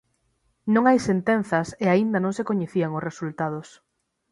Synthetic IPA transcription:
nõŋajsent̪en̟θɐseaind̪ɐnõŋsekoɲeθiaŋosresult̪að̞os

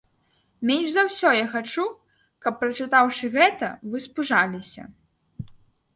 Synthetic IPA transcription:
mʲenʲʐzawsʲɔjaxat͡ʂu | kɐpːɾɐt͡ʂɨt̪awʂɨɣɛt̪ɐ̰vɨspuʐalʲisʲɐ̰

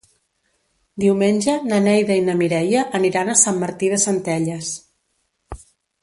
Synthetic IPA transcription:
d̪iwmenʲʒənənɛjðəinəmiɾɛjəʔəniɾanəsamːəɾt̪iðəsənt̪ɛʎəs

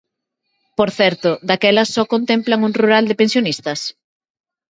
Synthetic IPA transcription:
poɾθɛɾt̪ʊd̪akɛlɐsːɔkont̪ɛmplɐŋuŋruɾald̪epẽnsjonist̪ɐs

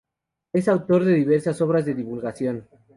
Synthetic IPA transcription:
e̞sawt̪o̞ɾðe̞ðiβ̞e̞ɾsaso̞β̞ɾazðe̞ðiβulɣasjo̞n

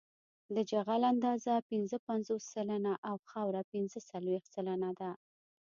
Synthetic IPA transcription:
d̪əd͡ʒaɣaland̪ɑzapɪnzəpanzosːalanaʔawxawɾapɪnzəsalwext̪salanad̪a

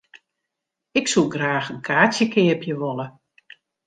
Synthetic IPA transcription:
ɪksuɡraːxənkʰaːt͡sjəkʰɪəpjəʋolə

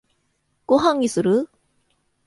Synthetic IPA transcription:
koɦaŋisuɾɯ

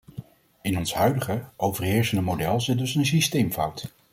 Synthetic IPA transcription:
ɪnɔnsɦœɥdəχəʔowvəɹɦɪːɹsəndəmowdɛlˠzɪt̚dɵsənsistejmfʌwt

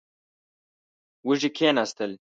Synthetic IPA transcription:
wuʒikʰeːnast̪əl

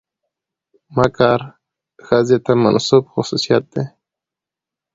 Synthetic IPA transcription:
makɑːɾ | xazet̪ama̰nsubxʊsusijat̪̚d̪e

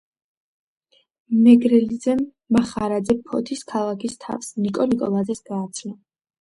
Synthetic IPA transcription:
mɛɡɾɛlid̪zɛː | aχaɾad̪zɛpʰɔ̰t̪ʰiskʰalˠakʰist̪ʰa̰vsnikʼɔnikʼɔlˠazɛsɡ̥aːt̪sʰna

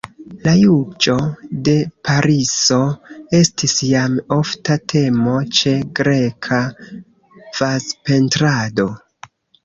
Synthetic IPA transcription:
lajud͡ʒo̞de̞paɾiso̞e̞stisjamo̞ftatʰe̞mo̞t͡ʃe̞ɡɾe̞kʰa | v̥aspe̞ntɾado̞

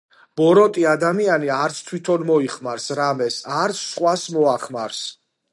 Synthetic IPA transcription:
b̥ɔɾɔt̪ʼiad̪amianiaɾt̪sʰt̪ʰwit̪ʰɔnmɔiχmaɾsɾamɛsaɾt̪sʰsχwasmɔaχmaɾs

